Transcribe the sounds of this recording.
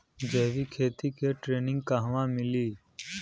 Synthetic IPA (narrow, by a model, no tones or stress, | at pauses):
d͡ʒeːʋikʰeːt̪ikeʈɾeːnɪ̃ŋɡkaɦʋãmɪliː